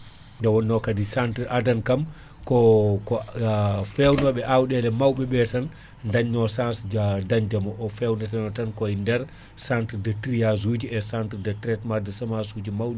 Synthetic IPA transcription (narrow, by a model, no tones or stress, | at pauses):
ndɛwɔnːɔkadisantɾʔadankam | kɔkɔ | fɛwnɔɓɛʔawɗɛlɛmawɓɛɓɛtan | ndaɲːɔsãnsd͡ʒadaɲd͡ʒamɔʔɔfɛwnɛtanɔtankɔindɛɾ | santɾdɛtɾijaz̬uːd͡ʒiɛsantɾdɛtɾɛtmadɛsamasud͡ʒimawɗɛ